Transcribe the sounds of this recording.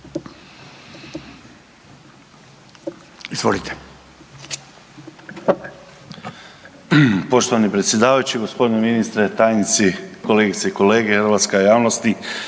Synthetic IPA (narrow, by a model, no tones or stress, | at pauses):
izʋolit̪ʰe̥ | po̞ʃt̪oʋanipɾet̪sʲje̞d̪aːʋajut͡ʃiɡospo̞d̪ineminist̪ɾet̪aːjnit̪sikoleːɡit̪seiko̞leːɡexəɾʋat̪skeojaːʋnost̪i